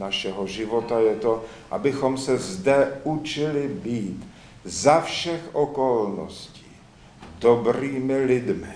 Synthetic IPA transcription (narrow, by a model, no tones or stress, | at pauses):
naʃɛɦoʒɪvo̞t̪ajɛt̪o | ʔa̰bɪxo̞msɛzdɛʔut͡ʃɪlɪbiːt̪ | zafʃɛxʔo̞kolno̰sci̥ː | dobɾiːmɪlɪdmɪ